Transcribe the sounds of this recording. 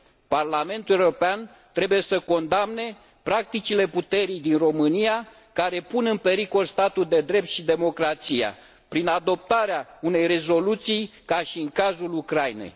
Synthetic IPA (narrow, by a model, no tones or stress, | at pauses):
parlame̞nt̪ulewɾo̞pean | t̪ɾe̞buje̞səko̞nd̪amne̞ | pɾak̚t̪it͡ʃile̞put̪e̞ɾijd̪inro̞mɨnija | kaɾe̞punɨnpe̞ɾiko̞lst̪at̪uld̪e̞d̪ɾe̞p̚t̪ʃid̪e̞mo̞kɾat̪sija̰ | pɾinad̪o̞p̚t̪aɾeaune̞jre̞zo̞lut̪sijkaʃiɨŋkazulukɾajnḛj